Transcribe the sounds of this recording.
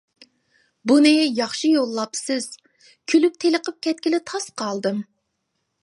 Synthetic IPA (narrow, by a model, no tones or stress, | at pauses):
bunɨjɑχʃijolˠːɑpsɨz̥ | kʲʰylyp̚t̪ʰeləqʰəp̚kʲʰɛt̪̚kʲilɪt̪ʰɑsqʰɑlˠd̪ɨm